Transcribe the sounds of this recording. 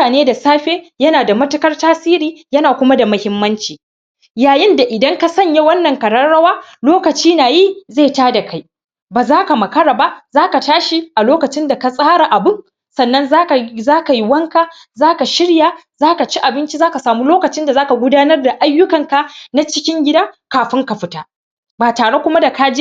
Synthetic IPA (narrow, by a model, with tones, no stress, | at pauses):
aː˨neː˦da˨saː˦ɸeː˦jɐ˦naː˨da˨mɐ˦tʊ˦kɐ˦rtaː˦siː˦ɾiː˨jɐ˦naː˨kʷʊ˦ma˦da˨mɐ˦hɪ˦mːɐ˦nt͡ʃiː˨ | jaː˨jɪ˦nda˨ʔɪ˨dɐ˦ŋka˦sɐ˦ɲja˦wɐ˦nːɐ˨ŋkɐ˨ɽɐ˦ɽɐ˦waː˦loː˦kɐ˨t͡ʃiː˦naː˨ji˦ze˦˨taː˦da˨ka˦j | baː˨zaː˦ka˨mɐ˨kɐ˦ɽaː˨ba˦zaː˦ka˨taː˦ʃi˦ʔa˨loː˦kɐ˨t͡ʃɪ˦nda˨ka˨sʼaː˦ɽa˨ʔa˨bɪ˦ŋ | sɐ˨nːɐ˦nzaː˦˨zaː˦ka˨ji˦wɐ˦ŋka˦ | zaː˦ka˨ʃɪ˦ɽja˨ | zaː˦ka˨t͡ʃi˦ʔa˨bɪ˦nt͡ʃi˦zaː˦ka˨saː˨mu˦loː˦kɐ˨t͡ʃɪ˦nda˨zaː˦ka˨ɡʷʊ˦daː˦nɐ˦rda˨ʔa˦jːʊ˦kɐ˨ŋka˨na˦t͡ʃɪ˦kʲɪ˦ŋɡʲɪ˦daː˦kaː˨ɸɪ˦ŋka˨ɸɪ˦taː˦ | baː˨taː˨ɽe˦kʷʊ˦ma˦da˨ka˦d͡ʒe˦